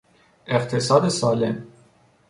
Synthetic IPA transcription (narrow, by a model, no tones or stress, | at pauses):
eqt̪ʰesɒːd̪esɒːlem